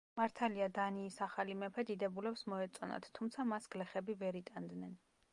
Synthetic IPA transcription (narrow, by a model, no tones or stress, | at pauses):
maɾt̪ʰaliad̪aniːsaχalimɛpʰɛd̪id̪ɛbulɛpsmɔɛt̪sʼɔna̰t̪ʰːumt̪sʰamasɡ̥lɛχɛbivɛɾit̪ʼand̪nɛn